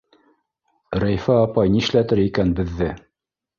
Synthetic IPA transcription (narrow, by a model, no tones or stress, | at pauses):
ɾæjfæɑpɑjnĭʃlæt̪ɘɾikænbɘ̆ðːɘ